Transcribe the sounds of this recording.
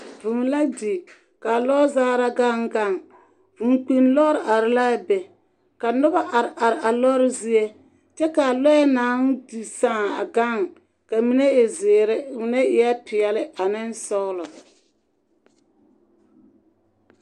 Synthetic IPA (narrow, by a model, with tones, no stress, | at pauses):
vu˨n˦la˦di˨ | ka˨lɔ˦zaː˦ɾa˦ɡa˦ŋɡa˦˨ŋ | vu˨ŋk͡pi˦nlɔ˦ɾɪ˨ʔa˨ɾɪ˨la˦bɛ˨ | ka˨nʊ˦ba˦ʔa˨ɾɪ˨ʔa˨ɾɪ˨ʔa˨lɔ˦ɾɪ˦zi˦e˦ | t͡ʃɛ˦ka˨lɔ˦jɛ˦naː˨˦ŋ˦di˨sãː˦˨a̰˨ɡa˦˨ŋ | ka˨mi˦nɛ˦˨zɪ˨ɾɪ˦mi˨nɛ˦ɪ˨ja˦pɪ˨ɛ˨lɪ˦a˨nɪ˦n˦sɔ˦ɣlɔ˨